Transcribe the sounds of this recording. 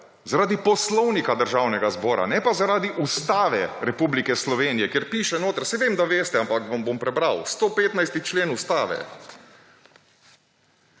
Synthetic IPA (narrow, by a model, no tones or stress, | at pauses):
zaɾaːd̪ipɔslɔwnikad̪əɾʒaːwnɛɡazbɔːɾa̰nɛpazaɾaːd̪iʔust̪aːʋɛ̰ɾɛpublikɛslɔʋeːnijɛkjeɾpiːʃɛnoːt̪əɾsɛʋemd̪aʋeːst̪ɛampakʋambompɾɛbɾawst̪oːpeːt̪najst̪it͡ʃleːnust̪aːʋɛ̰